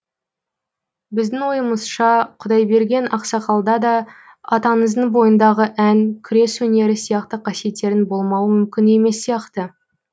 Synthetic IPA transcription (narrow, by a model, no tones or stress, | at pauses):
bɪzd̪ɪŋwo̞jəməzʃɑqʰʊd̪ɑjbe̞ɾɡʲe̞nɑqsɑqɑlˠd̪ɑd̪ɑ | ɑt̪ɑnəzd̪əɴbo̞jənd̪ɑʁəʔæŋkʲʰʏɾe̞swɵne̞ɾɪsijɑqt̪əqʰɑsije̞t̪ːe̞ɾɪnbo̞lˠmɑwəmʏmkʲɪne̞me̞sːijɑqt̪ə